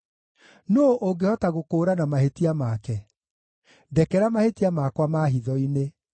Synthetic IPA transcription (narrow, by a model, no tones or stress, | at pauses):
noʔoŋɡehɔtaɣokoːɾanamaɦetiamakɛ | dɛkɛɾamahetiamakwamaːɦiðɔine